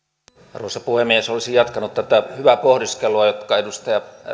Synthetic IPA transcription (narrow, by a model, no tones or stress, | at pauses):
ruosɑpuhemːiesolisijɑt̪kɑnut̪t̪æt̪æhyʋæpohdiskeluɑjot̪kɑedust̪ɑjɑ